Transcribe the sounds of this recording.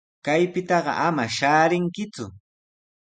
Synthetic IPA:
kajpɪt̪ɑɢɑ̰ʔamaʃaːɾɪŋkɪt͡sʊ

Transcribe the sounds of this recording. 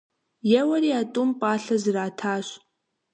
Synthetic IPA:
jɛwɐɾiːaːtʼumpʼaːɬɐzɨraːtʰaːɕ

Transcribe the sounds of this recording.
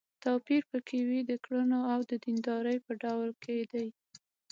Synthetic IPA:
t̪ɑpiɾpəkʰewid̪əkɽunoawd̪əd̪ind̪ɑɾəjpəɖawlkʰed̪aj

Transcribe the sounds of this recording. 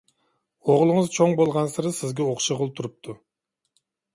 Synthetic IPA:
oʁlˠɨŋɨzt͡ʃʰoŋbolˠʁɑnsɨɾsɪzɡʲɛoχʃɑʁʊlˠt̪ʰuɾup̚t̪ʰu

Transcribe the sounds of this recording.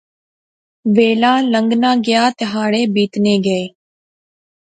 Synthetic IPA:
ʋeːlãːləŋɡnãːɡɪjaːt̪ɪɦaːɽeːbiːt̪neːɡəeː

